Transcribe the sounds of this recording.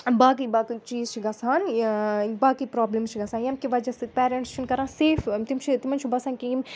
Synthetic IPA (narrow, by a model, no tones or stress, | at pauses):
baːk̬ibaːkit͡ʃiːzt͡ʃʰiɡɐsaːn | baːkipɾɔːblemst͡ʃʰiɡɐsaːnjɐmkiʋɐd͡ʒɐsipɛːɾẽɳʈst͡ʃʰunkɐɾãːseːft̪imt͡ʃʰit̪imɐnt͡ʃʰubɐsãːnkijim